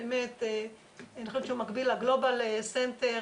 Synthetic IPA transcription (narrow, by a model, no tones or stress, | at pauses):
emet̪ | anioʃeʃeumakbilaɡlo̞balesent̪e